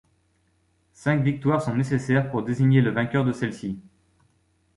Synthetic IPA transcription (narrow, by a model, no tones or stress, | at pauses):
sɛ̃kvik̚t̪waʁsɔ̃nesesɛʁpuʁd̪eziɲeləvɛ̃kʲœʁd̪əsɛlsi